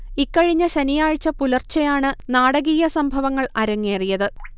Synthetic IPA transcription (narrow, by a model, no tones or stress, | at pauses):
ikːɐɻiɲːɐɕɐnijaːɻt͡ɕːɐpulɐrt͡ɕɐjaːɳɨnaːɽɐɣiːjɐsɐmbʱɐʋɐŋːɐɭɐɾɐŋːeːrijɐðɨ